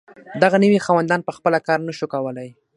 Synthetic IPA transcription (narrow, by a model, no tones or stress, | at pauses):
d̪aɣaniwixɑwand̪ɑnpəxpəlakɑɾnaʃukawəlaj